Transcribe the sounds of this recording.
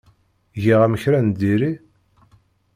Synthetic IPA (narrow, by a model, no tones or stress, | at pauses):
ʝiʁæməçɾænd̪iɾi